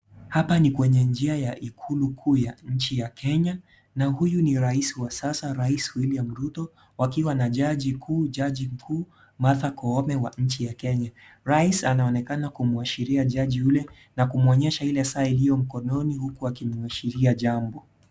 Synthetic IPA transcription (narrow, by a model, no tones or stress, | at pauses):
hapanikwɛɲɛnd͡ʒiajaʔikʰulukʰuːjaɲ̩t͡ʃijakʰɛɲa | nahujuniɾaisiwasasaɾaiswiliam̩ɾutɔ | wakiwanaʄaʄikʰuːʄaʄim̩kʰuː | maθakɔɔmɛwaɲ̩t͡ʃijakɛɲa | ɾaisanaɔnɛkanakumuaʃiɾiaʄaʄiulɛ | nakumuɔɲɛʃailɛsaːilijɔm̩kɔnɔnihukuakimuaʃiɾiaʄambɔ